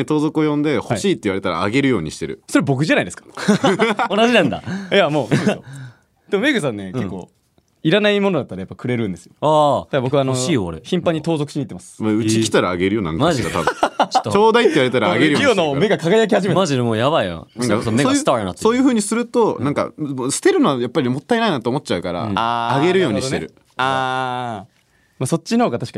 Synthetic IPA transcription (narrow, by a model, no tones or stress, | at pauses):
et̪o̞ːzo̞kɯojõ̞nd̪e̞ho̞iɕiːt̪ːeiβaɾe̞t̪aɾa̰ːɡe̞ɾɯ̟jo̞ːɲ̟ḭɕi̥t̪e̞ɾɯ̟̰so̞ɾebo̞k̬ɯ̟ʑanaid̪skḁ | onaʑinãnd̪a̰jamo̞ː | d̪̥e̞mo̞me̞ɡɯs̬ãnːe̞ke̞kːo̞̰ | iɾanaimo̞nod̪at̪ːaɾajapːakɯ̟ɾe̞ɾɯ̟̃nd̪e̞sɨjoaːd̪aɡbkɯβanoɕiːjoːɾeçĩmpãɲ̟ːit̪o̞ːzokɯ̟ɕiɲiːt̪ːemasɨ̥maɯ̟t͡ɕikʲi̥t̪aɾaːɡeɾɯjoːnã̰ŋmaʑat̪abɯ̃t͡ɕt̪ːoːd̪aieiβaɾet̪aɾaːɡeɾɯjoonome̞ɡakaɡajak̬ʲihaʑimetmaʑid̪emoːjaβaija̰ɯ̃ŋkasomesost̪anat̪ːeso̞ːjɯ̟ɸɯ̟ːɲ̟isɨɾɯ̟t̪onãŋka̰msɨ̥t̪e̞ɾɯ̟noajapːaɾʲimot̪ːaenainat̪oːmo̞tːt͡ɕaɯ̟kaɾa̰aaɡe̞ɾɯ̟jo̞ːɲɲiit̪eɾɯ̟ | aː | maso̞t͡ɕːinohoɡat̪aɕi̥ka